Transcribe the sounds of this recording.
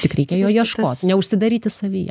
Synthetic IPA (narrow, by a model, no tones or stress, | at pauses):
t̪ʲɪkɾʲɛɪkʲejoːjiɛʃkoːt̪ʲnʲɛʊʃʲsʲɪd̪ɐɾʲiːt̪ʲɪsɐʋʲḭːjɛ̰